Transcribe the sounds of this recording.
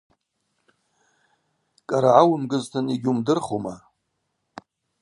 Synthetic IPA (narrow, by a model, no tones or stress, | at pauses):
kʼaɾaʕawʊmɡɨztʰɨniɡʲumdɨrχoma